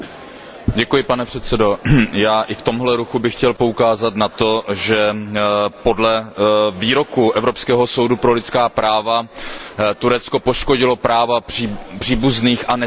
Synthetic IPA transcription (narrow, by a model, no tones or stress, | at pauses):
ɟɛkujɪpanɛpr̝̥ɛt̪t͡sɛdo̞jaːʔɪft̪o̞mɦlɛɾuxubɪxcɛlpo̞ukaːzat̪nat̪o̞ʒɛ | po̞dlɛviːɾo̞kuʔɛvɾopskɛːɦo̞so̞wdupɾo̞lɪtt͡skaːpɾʔaːva | t̪uɾɛt̪t͡sko̞poʃko̞ɟɪlo̞pɾaːvḁipr̝̥iːbuzniːxanɛ